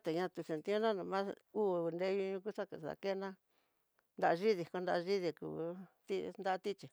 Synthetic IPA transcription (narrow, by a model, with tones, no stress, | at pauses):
t̪e˨ɲã˧t̪u˧se˨nt̪i˦õ˦nã˦nũ˧mã˦u˦˨˧nd̪e˧˦ɲũ˧ɲũ˧k̬u˦ʂa˦ke˧˨a̰˧˨ke˦˧nã˦ | nd̪a˧ʔʒi˦ði˧˨ko˧nd̪a˧ʒi˦ði˧kṵ˧˨t̪i˦nd̪a˦˧t̪i˦t͡ʃi˨